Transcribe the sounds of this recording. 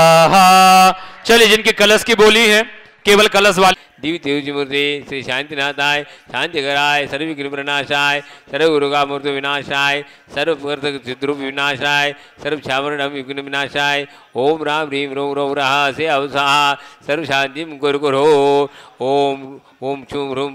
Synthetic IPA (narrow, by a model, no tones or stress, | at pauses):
ɦa | t͡ʃɐlied͡ʒɪnkikɐləskiboːliɦɛ̃ː | keːʋəlkɐləsʋaː | d̪iːʋit̪eːud͡ʒimɐɾt̪eːseʃãːnt̪inãːt̪aːeʃãːnt̪iɡɐɾaːesɐɾbjuknimpɾɐnaːʃaːesɐɾbɡuɾoɡaːmɐɾt̪oʋɪnaːʃaːe | sɐɾbpkɐɾt̪ɐd͡ʒud̪ɾupʋinaːʃaːe | sɐɾbt͡ʃʰaːmɐɾɽɐmjuknɐʋinaːʃaːe | oːmɾaːmɾiːmɾoːmɾoːmɾaːɦaseɐʋsaːɦasɐɾbʃaːnt̪imɡoɾkoɾɦoː | oːm | oːmt͡ʃʰumɾum